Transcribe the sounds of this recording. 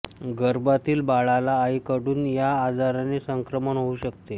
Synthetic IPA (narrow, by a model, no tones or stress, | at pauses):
ɡəɾbat̪iːlbaɭalaːikəɽuːnjaːd͡zaɾanesəŋkɾəməɳɦouɕək̚t̪e